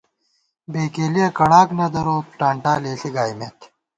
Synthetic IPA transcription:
beːkeːlijɐkɐɽaːknɐd̪ɐɾoːpʈaːɳʈaːleːɬiɡaːjmet̪ʰ

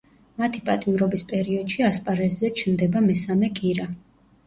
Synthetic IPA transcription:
mat̪ʰipʼat̪ʼimɾɔbispʼɛɾiɔd̪̥ʃiaspʼaɾɛzːɛt͡ʃʰnd̪ɛbamɛsamɛkʼiɾa

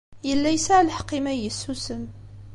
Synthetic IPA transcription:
jəlːæjsaʕlħə̥qːimæjəsːusən

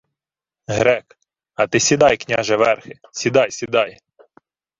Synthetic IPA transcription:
ɦɾɛk | ɐt̪ɪsʲid̪ɑjknʲaʒɛʋɛrxɪsʲid̪ɑjsʲid̪ɑj

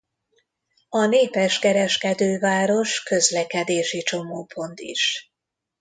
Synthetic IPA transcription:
ɒneːpɛʃkɛɾɛʃkɛd̪øːvaːɾo̞ʃkø̞zlɛkɛd̪eːʃit͡ʃo̞moːpʰo̞nt̪ḭʃ

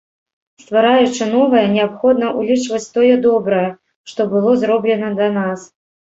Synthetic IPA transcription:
st̪vaɾajut͡ʂɨnɔvɐjɐnʲɛapxɔd̪̚nɐʔulʲit͡ʂvɐt͡sʲt̪ɔjɛd̪ɔbɾɐjɛ | ʂt̪ɔbɨlˠɔzɾɔblʲɛnɐd̪ɐnas

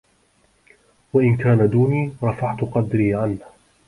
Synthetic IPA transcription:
waʔɪnkaːnad̪uːniːɾˤɑfaʕt̪ʊqɑd̪ɾiːʕanh

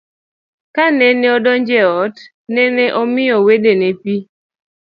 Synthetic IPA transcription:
kanɛnɛɔdɔnd͡ʒɛɔt | nɛneʔɔmɪɔwedenepi

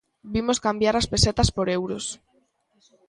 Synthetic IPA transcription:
bimoskambjaɾaspeset̪aspoɾewɾos

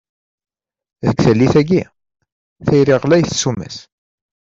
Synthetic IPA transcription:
ðəɡθəlːiθæɡi | θijɾiʁlæjθsumæ̰s

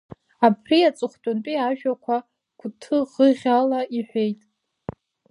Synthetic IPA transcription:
apʰriat͡sʼɨχʷtʼʊnpʼiaʒᶣakʷʰa | ɡ̥ʷʰʼʊtʰɨʁəʁʲalaiħʷᶣejtʼ

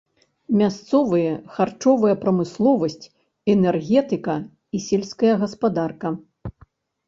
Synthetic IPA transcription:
mʲast̪sɔvɨjɐxart͡ʂɔvɐjɐpɾɐmɨslˠɔvɐsʲt͡sʲ | ɛnɛrɣʲɛt̪ɨkɐ | isʲɛlʲsʲkɐjɐɣɐspad̪arkɐ

